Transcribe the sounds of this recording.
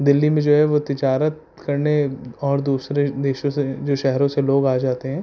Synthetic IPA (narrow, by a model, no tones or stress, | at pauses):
d̪ɪlːimẽd͡ʒoːɦɛʋot̪ɪd͡ʒaːɾət̪̚ | kɐɾneɔːɾd̪uːsɾed̪eːʃõsed͡ʒoːʃɛɦɾõseloːɡaːd͡ʒaːt̪eɦɛ̃ː